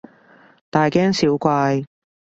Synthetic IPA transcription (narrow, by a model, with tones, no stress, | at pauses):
t̪aː˨jkɛː˥ŋsiː˨˥wkʷaː˧j